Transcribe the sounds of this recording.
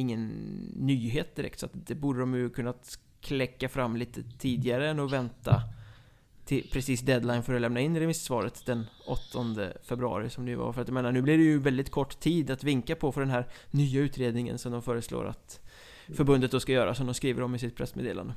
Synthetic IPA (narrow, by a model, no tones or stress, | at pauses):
ɪŋːənːyːɦeːt̪̚d̪ɪɾɛ̰kt̪sɔat̪d̪ɛbuːɖəd̪ɔmjɵkʰɵnːa | kʰlɛkːafɾamːliːt̪ət̪ʰiːd̪ɪɡaɾəɛnːɔvɛnt̪a̰ | t̪ʰɪlpʰɾɛsiːsd̪ɛd̪lajnfœɾɔlɛmnaɪnːɾɛmɪssvɑːɾət̪d̪ɛnʔɔt̪ʰːɔnd̪ə̰fɛbɾɵɑ̰ːɾɪsɔmd̪ɛʉ̰va̰ɾfœɾat̪jameːnaɳʉ̟ːblɪɖɛjɵvɛld̪ɪt̪kʰɔʈːt̪ʰiːd̪at̪vɪŋkapʰɔfœɖɛnɦæːɾnyːaʉ̟ːt̪ɾeːd̪nɪŋə̰nsɔmd̪ɔmfœːɾəslo̰ːɾa̰t̪ | fœɾbɵnd̪ət̪̚d̪ɔskajœːɾasɔmd̪ɔmskɾiːvə̰ɾɔmːɪsɪt̪̚pʰɾɛsmḛːd̪eːla̰nd̪ə